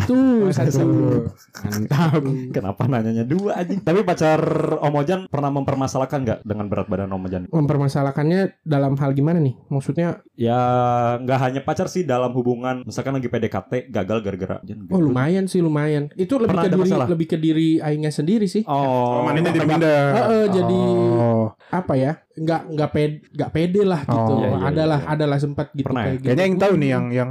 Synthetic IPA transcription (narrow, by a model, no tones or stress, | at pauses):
t̪usat̪ | ant̪akəna̰panaɲaɲaduad͡ʒat̪apipat͡ʃaromod͡ʒanpərnahməmpərmasalahkanŋɡa̰ʔdəŋanbəɾat̪̚badanomod͡ʒanməmpərmasalakanɲadalamɦalɡimananɪhmaksut̪̚ɲa | jaŋɡaʔɦaɲapat͡ʃarsɪhdalamhubuŋanmisalkanlaɡipedekat̪ɛɡaɡalɡərɡəɾa̰ʔd͡ʒanɔlumajansɪhlumajanit̪uləənkədiɾilaləbɪhkədiɾiaiɲasəndiɾisɪhɔmanitiindaəʔəd͡ʒadi | apaja | ŋɡaʔŋɡaʔpeŋɡaʔpedɛlahɡit̪uja̰a̰dalaɦadalahs̬əmpət̪̚ɡitpəunakaaɡiaɲaiŋaunɪjaŋjaŋ